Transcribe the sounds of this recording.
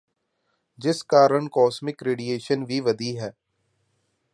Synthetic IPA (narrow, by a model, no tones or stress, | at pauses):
d͡ʒɪskaːɾəɳkɔːsmɪkɾeːɖieːʃənʋʱiʋɐd̪iɦɛː